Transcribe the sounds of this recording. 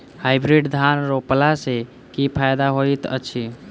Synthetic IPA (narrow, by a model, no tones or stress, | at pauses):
hajbɾiɖd̪ʱanɾoplase | kipʰajd̪aɦojt̪ə̰t͡ʃʰi